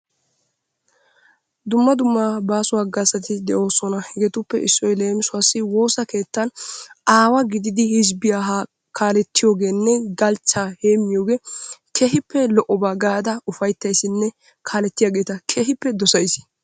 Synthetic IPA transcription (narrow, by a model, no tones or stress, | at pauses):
d̪ʊmːɐd̪ʊmːabaːsʊwaːɡasɐt̪ɪd̪ɛʔo̞ːsɔnɐhɛɡɛt̪ʊpːɛʔɪsːɔjle̞ːmɪsʊasːɪwo̞ːsɐke̞ːt̪ːɐnaːwɐɡɪd̪ɪd̪ɪhɪzbɪjaːɦa | kʰaːlɛt̪ːɪjo̞ːɡe̞ːnːɛɡɐlt͡ʃːaːhe̞ːmːɪjoːɡe̞ːkʰeɦɪpːɛlɔʔɔbaːɡaːd̪ɐʊfɐjt̪ːɐjsːɪnːɛ | kʰaːlɛt̪ːɪjaːɡe̞ːt̪ɐkʰeːhɪpːɛd̪ɔsɐjsɪ̥